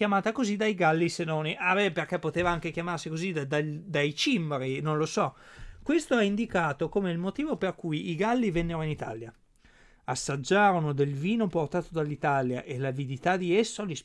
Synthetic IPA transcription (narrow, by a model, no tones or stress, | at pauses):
kjamaːt̪akozid̪ajɡalːisenːoniʔabɛperkɛpːot̪eːvaaŋkekjamarsikozid̪d̪ad̪ajt͡ʃimɾinonlosɔkwest̪oɛind̪ikaːt̪okomeilmot̪iːvoperkujiɡalːivɛnːeɾoinit̪a̰lja | asːad͡ʒːaːɾonod̪elviːnoport̪aːt̪od̪alːit̪alja̰ʔelavid̪it̪ad̪iesːolis